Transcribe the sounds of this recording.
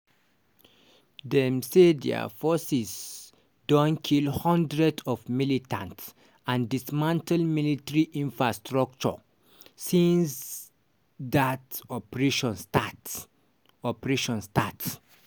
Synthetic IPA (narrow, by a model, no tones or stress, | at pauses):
dɛmsedɛ̰a̰fɔsis | dɔ̃nkʰilhɔ̃ndɹɛdɔvmilitʰã̰nts | ãndismãntalmilitəɹiʔĩnfɹastɹɔk̚t͡ʃɔ̰ | sĩns | datɔpɹeʃɔ̃nstat | ɔpɹeʃɔ̃nstats